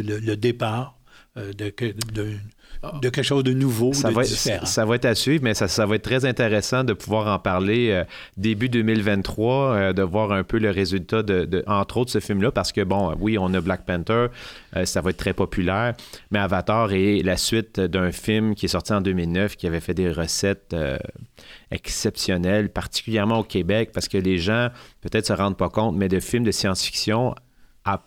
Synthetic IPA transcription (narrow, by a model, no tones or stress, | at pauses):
lələd̪epaːʁ | d̪əkɛd̪ɛ̃ | d̪əkʲɛlkʃozd̪ənuvosdsavaɛifeʁɑ̃savaɛt̪asɥiːvmɛsasavaɛt̪̚t̪ːχɛzɛ̃t̪eʁesɑ̃d̪əpuvwaːʁɑ̃paʁleø | d̪ebyd̪øːmɪlvɛ̃t̪ːχwaød̪əvwaːʁɛ̃pøləʁezylt̪ad̪əd̪əʔɑ̃t̪χoʊt̪səfɪlmlʌpaʁsə̥kʲəbɔ̰̃wiɔ̃nʌblak̚pɛ̃nt̪ə˞ | ø̰savaɛt̪̚t̪ːχɛpɔpylɛːʁmɛavat̪ɑːʁelasɥɪt̪̚d̪ɛ̃fɪlmkʲiɛsɔʁt̪iɑ̃d̪øːmilnœfkʲiavɛfɛd̪eʁəsɛt̪ø̰ | ɛ̰ksɛpsjɔnɛlpaʁt̪i̥kʲyljɛʁmɑ̃okʲebɛk̚paʁsə̥kəleʒɑ̃pøt̪ɛːt̪səʁɑ̃d̪̚pɑkɔ̃t̪mɛd̪əfɪlmd̪əsjɑ̃sfi̥ksjɔ̃ | a